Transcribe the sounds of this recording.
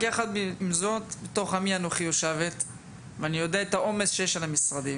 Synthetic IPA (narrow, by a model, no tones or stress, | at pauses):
ɡiaχad̪biimzo̞t̪beto̞χamianoχijoʃevet̪ | veanijo̞d̪eaet̪aʔo̞mesʃejeʃalamisʁad̪im